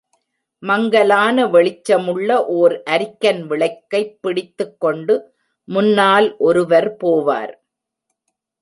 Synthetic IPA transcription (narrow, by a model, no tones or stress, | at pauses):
mɐŋɡɐlaːnɐʋɛɭɪt͡ʃːɐmɯɭːɐʔoːɾʔɐɾɪkːɐnʋɪɭɐɪkːɐɪpːɪɽɪt̪ːɯkːɔɳɖɯ | mʊnːaːlʔɔɾɯʋɐɾpoːʋa̰ːɾ